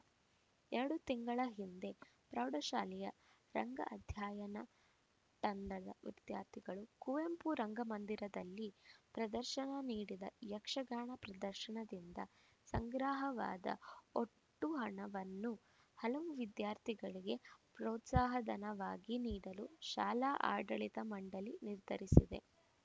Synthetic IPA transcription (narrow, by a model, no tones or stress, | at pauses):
ɛɾɐɽut̪iŋɡɐɭɐɦind̪e̞pɾɐwɽɐʃaːlɛjɐ | ɾɐŋɡɐ̰ʔɐd̪ʱjaːjɐnɐ | ʈ̪ɐnd̪ɐd̪ɐ̰ʋid̪̥jaːɾt̪ʰiɡɐɭukuʋempuɾɐŋɡɐmɐnd̪iɾɐd̪ɐlːipɾɐd̪ɐɾʃɐɳɐniːɽid̪ɐ̰jɐkʂɐɡaːɳɐpɾɐd̪ɐɾʃɐɳɐd̪ind̪ɐ | sɐŋɡɾaːɦɐʋa̰ːd̪ɐ̰oʈːuɦɐɳɐʋɐnːu | hɐlɐʋuʋid̪jaːɾt̪ʰiɡɐɭiɡe̞pɾɔːt̪saːɦɐd̪ɐnɐʋaːɡiniːɽɐluʃaːlaːʔa̰ːɖɐɭit̪ɐmɐɳɖɐliniɾd̪ʱɐɾisid̪e̞̰